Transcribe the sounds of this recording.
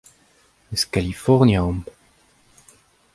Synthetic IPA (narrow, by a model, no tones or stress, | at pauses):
əskalifɔʁnjaɔm